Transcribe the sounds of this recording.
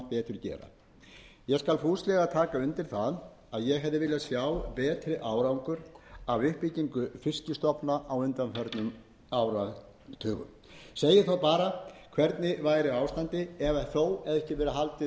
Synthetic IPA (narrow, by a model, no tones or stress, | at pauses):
pɛːt̪ʏɾ̥cɛ̰ːɾa̰ | jɛskalfuːslɛɣat̪ʰaːkaʏnt̪ɪɾ̥θað | aðjɛɣɦɛvðɪvɪːlasjaːwpɛːt̪ɾɪʔaːwɾauŋkʏɾavʏhpiciŋkʏfɪscʏst̪ɔpnaʔawʏnt̪amfɛɾt̪nʏm | awɾa | t̪ʰœːɣʏ̰m | seːjɪθawpaːɾakʰvɛɾt̪nɪvaːjɾɪawst̪ant̪ɪɛvaθoːwɛðɛhcɪvɛːɾaɦalt̪ɪ